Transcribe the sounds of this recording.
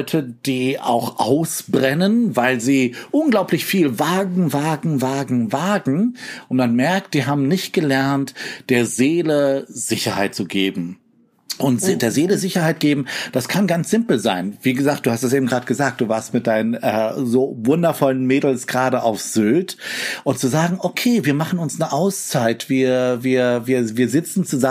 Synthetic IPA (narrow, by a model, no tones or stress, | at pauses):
ʏtʰəd̥iːa̰ʊxʔa̰ʊsb̥ʁɛnənvaɪlziːʔʊnɡlaʊplɪçfiːlvaːɡŋ̩vaːɡŋ̩vaːɡŋ̩vaːɡŋ̩ʔʊntmanmɛɐkt̚d̥iːɦaːbm̩nɪçt̚ɡ̥əlɛɐntd̥eːɐzeːləz̥ɪçɐhaɪt̚t͡suɡeːbm̩ | ʔʊntzdeːɐzeːləzɪçɐhaɪt̚ɡ̥eːbm̩d̥askʰanɡant͡sz̥ɪmpl̩zaɪnv̥iːɡəzaːk̚d̥uːhastd̥as̬ʔeːbm̩ɡʁaːdəɡ̥əzaːk̚t̚d̥uːvaːɐstmɪt̚d̥aɪnənʔɛːzoːvʊndɐfɔlənmeːdl̩sɡ̥ʁaːɾəʔaʊfz̥ʏltʔʊntt͡suzaːɡŋ̩ʔokʰeːviːɐmaχn̩ʊnsnəʔaʊst͡saɪtv̥iːɐviːɐviːɐviːɐzɪt͡sn̩t͡suza